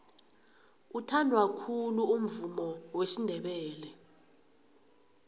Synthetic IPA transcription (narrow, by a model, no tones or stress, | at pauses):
utʰandʱwakʰuluum̩vumɔwesindʱɛɓɛːlɛ